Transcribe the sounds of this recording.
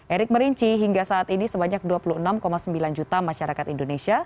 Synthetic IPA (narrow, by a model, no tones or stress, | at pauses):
ʔeɾɪk̚məɾiɲt͡ʃiɦiŋɡasaːt̪inisəbaɲak̚duapuluənamkomasəmbiland͡ʒut̪amaʃaɾakat̪indonesia